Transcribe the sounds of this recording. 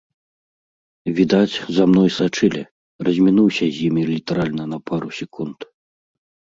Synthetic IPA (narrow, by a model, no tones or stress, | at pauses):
vʲid̪at͡sʲzamnɔjsat͡ʂɨlʲɛ̰ | rɐzʲmʲinuwsʲɐzʲjimʲilʲit̪ɐɾalʲnɐnɐpʰaɾusʲɛkʰunt̪